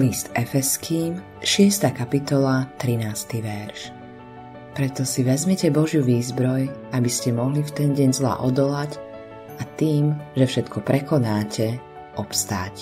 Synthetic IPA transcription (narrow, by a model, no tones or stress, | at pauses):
list̪ɛfɛskʰiːm | ʃɪɛst̪aːkapit̪ɔlat̪ɾinaːst̪iʋɛɾʃ | pɾɛt̪ɔsiʋɛzmɛcɛbɔʒjuʋiːzbɾɔjabiscɛmɔɦlift̪ɛnɟɛɲzla̰ːʔɔd̪ɔlac | at̪iːmʒɛfʃɛt̪kʰɔpɾɛkɔnaːcʰɛ | ɔpst̪a̰ːc